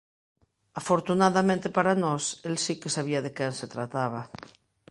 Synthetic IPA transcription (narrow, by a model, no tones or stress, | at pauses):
afoɾt̪unaðamẽnt̪epaɾanɔselsikesaβ̞iaðekenset̪ɾat̪aβ̞a